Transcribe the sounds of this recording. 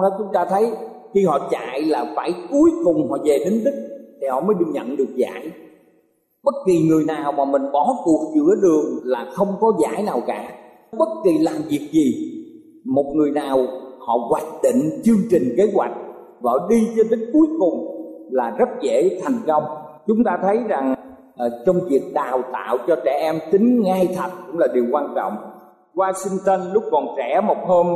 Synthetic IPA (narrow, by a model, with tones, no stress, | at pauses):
ɗɔ˨˦t͡ɕʊ˨˦ŋ͡mt̪aː˧t̪ʰə˨˦j | xi˧hɔ̰˧˨t͡ɕa̰ː˧˨jlaː˨˩fa̰ː˧˩jku˨˦əjkʊ˨˩ŋ͡mhɔ̰˧˨ve˨˩ɗe˨˦nɗ̪i˦˥k̟̚t̪ʰi˨˩hɔ̰˧˨məː˨˦jɗi˧ɲə̰˧˨nɗɨ˨˩k̚za̰ː˧˥j | ɓə˦˥t̚ki˨˩ŋɨ˨˩əjnaː˨˩wmaː˨˩mï˨˩ŋ̟ɓɔ˧˩˦ku˨˩ək̚zɨ̰˧˥əɗɨ˨˩əŋlaː˨˩xə˧wŋ͡mkɔ˨˦za̰ː˧˩jnaː˨˩wkaː˧˥ | ɓə˦˥t̚ki˨˩laː˨˩mvi˨˩ək̚zi˨˩ | mo˨˩t̚ŋɨ˨˩əjnaː˨˩whɔ̰˧˨ɣwaː˧˩k̚ɗ̪ḭ˧˨ŋ̟t͡ɕɨ˧əŋt͡ɕï˨˩ŋ̟ke˨˦˥zwa˨˩jk̟̚ | vɔ̰˧˩ɗi˧t͡ɕɔ˧ɗ̪ï˨˦ŋku˨˦jkʊ˨˩ŋ͡mlaː˨˩zə˦˥t̚ɣe˧˥t̪ʰɛ˨˩jŋ̟kə˧wŋ͡mt͡ɕʊ˨˦ŋ͡mt̪aː˧t̪ʰə˨˦jza˨˩ŋ˨˩ | t͡ɕɔ˧wŋ͡mvi˨˩ək̚ɗaː˨˩wt̪a̰ː˧˨wt͡ɕɔ˧t͡ɕɛ˧˩ʔɛ˧mt̪ï˨˦ŋ̟ŋaː˧jt̪ʰə˨˩t̚kʊ̰˧˥ŋ͡mlaː˨˩ɗi˨˩əwkwaː˧nt͡ɕɔ̰˧˨wŋ͡m | waː˧si˧ŋt̪ə˧nlʊ˦˥k͡p̚kɔ˨˩nt͡ɕɛ˧˩mo˨˩t̚həː˧n